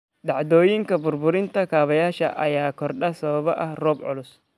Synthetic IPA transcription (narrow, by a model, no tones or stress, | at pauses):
ɖɑʕd̪ɔːjɪŋkʰɐbʊrbʊɾɪnt̪ʰɐkʰaːβɐjaːʃɐ̰ʔɐjaːkʰɔrɖɐsɐβɐβɔʔɐhrɔːbʕʊ̰lʊs